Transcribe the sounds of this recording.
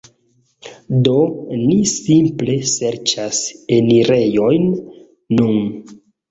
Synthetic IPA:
donisimple̞se̞ɾt͡ʃase̞niɾe̞jo̞jnː | un

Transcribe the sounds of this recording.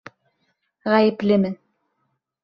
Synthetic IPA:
ʁæjɘ̆plɘmɘ

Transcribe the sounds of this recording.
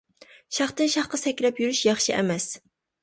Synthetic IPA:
ʃɑχt̪ɨnʃɑχqɑsɛkʲɾɛpjyɾyʃjɑχʃiʔɛ̰mɛs

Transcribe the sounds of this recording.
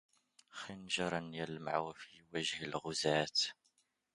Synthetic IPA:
xinʒɑɾˤɑnjælmʕawfiwæʒhəlɣʊzæːt̪

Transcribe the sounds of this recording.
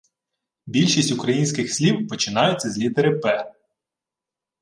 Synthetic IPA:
bʲilʲʃisʲtʲʊkɾɐjinʲsʲkɪxsʲlʲiwpɔt͡ʃɪnɑjʊt͡sʲːɐzʲlʲid̪eɾɪpɛ

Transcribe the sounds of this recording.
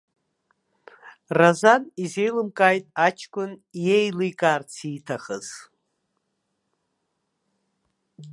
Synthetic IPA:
razanizejlɨmkʼaːjtʼat͡ʃʰkʷʼʊnjejlijkʼaːrt͡sʰiːtʰaχəz̥

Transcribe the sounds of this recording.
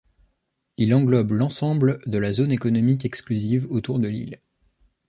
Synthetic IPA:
ilɑ̃ɡlɔblɑ̃sɑ̃bld̪əlazonekɔnɔmikɛksklyzivot̪uʁd̪əlḭl

